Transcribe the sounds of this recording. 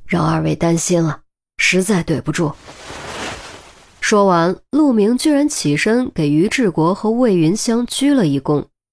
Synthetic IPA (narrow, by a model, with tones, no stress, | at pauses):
ɻɑ˥˧ŋa˞˥˧we˥˩ɪt̪a˥nɕi˥nlə˨ | ʂɻ̩˧˥t͡sa˥˧ɪt̪we˥˩ɪpu˧˥ʈ͡ʂu˥˩ | ʂwɔ˥wa˧˥nlu˥˩mi˧˥ŋt͡ɕy˥˧ɻa˧˥nt͡ɕʰi˨˩ʂɤ˥ŋke˨˩ɪy˧˥ʈ͡ʂɻ̩˥˩kwɔ˧˥xɤ˧˥we˥˩ɪy˧˥nɕjɑ˥ŋt͡ɕʰy˥lə˨i˧˩kʊ˥ŋ